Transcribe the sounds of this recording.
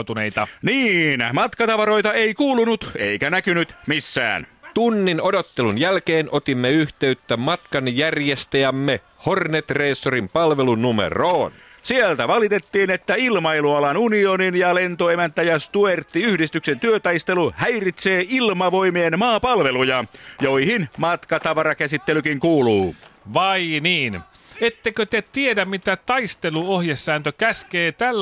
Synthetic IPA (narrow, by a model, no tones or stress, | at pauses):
t̪uneijt̪ɑniːnmɑt̪kɑt̪ɑʋɑɾo̞jt̪ɑeikuːlunut̪eikænækynyt̪misːæ̰ːnt̪unːino̞do̞t̪ːe̞lunjælke̞ːnʔo̞t̪imːeyht̪e̞yt̪ːæmɑt̪kɑnjærjest̪æjæmːe | ho̞rnet̪reːsːoɾimpɑlʋe̞lunumḛroːn | sielt̪æʋɑlit̪e̞t̪ːiːnet̪ːæilmɑiluɑlɑnunioninjɑlent̪oemænt̪æjɑst̪uert̪ːiyhdist̪yksent̪yøt̪ɑjst̪eluhæjrit̪seːilmɑʋoimienmɑːpɑlʋelujɑjoihinmɑt̪kɑt̪ɑʋɑɾɑkæsit̪ːelykiŋkuːluːʋɑiniːn | et̪ːekøt̪et̪iedæmmit̪æt̪ɑist̪eluohjesːæːnt̪økæskeːt̪ælː